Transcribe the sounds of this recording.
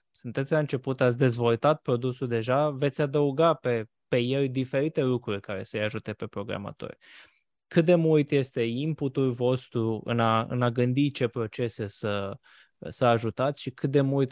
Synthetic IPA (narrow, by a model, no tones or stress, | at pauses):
sɨnt̪et̪sʲlaɨnt͡ʃe̞put̪at̪sʲd̪e̞zvo̞lt̪at̪̚pɾo̞d̪usuld̪e̞ʒave̞t̪sʲad̪əuɡape̞ | pe̞je̞lʲd̪ife̞ɾit̪e̞lukɾurʲkaɾe̞̰səjaʒut̪e̞pe̞pɾo̞ɡɾa̰ma̰t̪o̞̰rʲ | kɨt̪̚d̪e̞mult̪je̞st̪e̞imput̪ulvo̞st̪ɾuɨ̰naɨ̰naɡɨnd̪it͡ʃe̞pɾo̞t͡ʃe̞se̞sə | səaʒut̪at̪sʲʃikɨt̪̚d̪e̞mult̪